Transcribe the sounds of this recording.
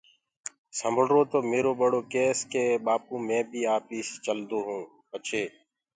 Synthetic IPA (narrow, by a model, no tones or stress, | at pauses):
səməɽɾoːt̪oːmeːɾoːɓəɽoːkeːskeːɓaːpũːmɛ̃ːbʱiːaːpiːst͡ʃəld̪oːɦũː | ət͡ʃʰeː